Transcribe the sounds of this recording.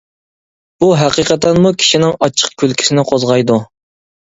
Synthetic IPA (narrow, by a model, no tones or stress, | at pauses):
b̥uɦæqiqət̪ɛnmukʲʰi̥ʃinɪŋɑt͡ʃʰə̥q̚kʲʰølkʲi̥sɪnɪqʰozʁɑjd̪u